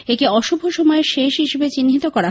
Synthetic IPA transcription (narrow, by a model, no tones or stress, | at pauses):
ekeɔʃubʱoʃɔmɔeʃeʃɦiʃebet͡ɕinɦit̪okɔɾa